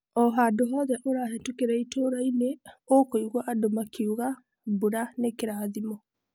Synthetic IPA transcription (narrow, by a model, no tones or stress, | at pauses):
ɔɦadoɦɔːðɛʔoɾaːɦɛtukeɾɛitoɾaineokoiɣwɔʔadomakʰiuɣa | buɾanekeɾaːðimɔ